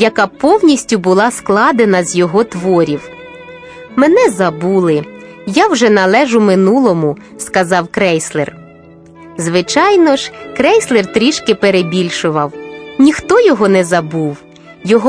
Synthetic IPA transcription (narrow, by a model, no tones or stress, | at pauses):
jɐkɑpɔwnʲisʲtʲʊbʊlˠɑsklˠɑd̪enɐzʲjɔɦɔt̪ʋɔɾʲiw | mɛnɛzɐbulˠɪ | jawʒɛnɐlˠɛʒʊmɪnulˠɔmʊ | skɐzɑwkɾɛjslˠḛr | zʋɪt͡ʃɑjnɔʒkɾɛjslˠert̪ɾʲiʃkɪpeɾebʲilʲʃʊʋɐwnʲixt̪ɔjɔɦɔnɛzɐbuw | jɔɦɔ